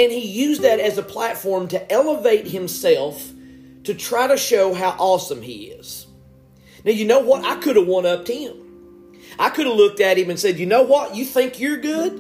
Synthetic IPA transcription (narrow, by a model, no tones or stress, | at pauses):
ɨ̃nijʉzðɨɾɨzəpʰl̥ætfɔɹmtʰɨʔɛlˠəveɪt̚hɨ̃msɛlˠf | tʰɨtʰɹ̥aɪɾɨʃoʊɦaʊʔɔsə̃mḭɪ̰z̥ | naʊjɨnoʊwʌɾa̰ɪkʰʊɾəwɑ̃ñʌp̚tʰɨ̃m | ʔaɪkʰʊɾəvlʊk̚tɨɾ̚ɨ̃mɨ̃nsɛdjɨnoʊwʌt͡ʃɨθɪ̃ŋkjə˞ɡʊd̥̚